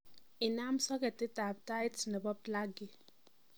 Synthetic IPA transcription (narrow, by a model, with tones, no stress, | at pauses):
ɪ˨na˦m˦sɔ˦kɛ˨tɪ˦ta˨b̚ta˦jtnɛ˨bɔ˦b̚la˦ɡɪ˨